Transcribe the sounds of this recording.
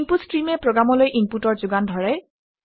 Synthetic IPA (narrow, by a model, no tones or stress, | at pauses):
mputstɹimɛpɹɔɡɹamɔlojʔimputɔɹzʊɡandʱɔɹɛ